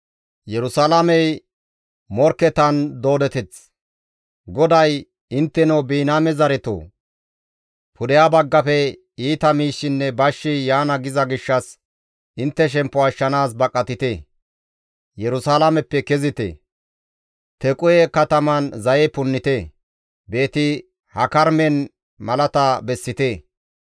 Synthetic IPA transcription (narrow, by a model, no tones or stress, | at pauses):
jɛɾʊsaːlamɛj | mɔɾkːɛt̪ɐnd̪o̞ːd̪ɛt̪ɛt͡s | ɡɔd̪ɐj | ɪnt̪ːɛnobiːnaːmɛzɐɾɛt̪o̰ː | pʊd̪ɛjabɐɡːɐpɛ | iːt̪ɐmiːʃːɪnːɛbɐʃːɪjaːnɐɡɪzɐɡɪʃːɐs | ʔɪnt̪ːɛʃ̬ɛmpːɔɐʃːɐnaːs̬bɐkʼːɐt̪ɪt̪eː | jɛɾʊsaːlamɛpːɛkɛzɪt̪ḛː | t̪ɛkʼʊjɛkɐt̪ɐmɐnzɐjɛpʊnːɪt̪e | be̞ːt̪ɪ | hɐkɐɾmɛn | mɐlɐt̪abɛsːɪt̪eː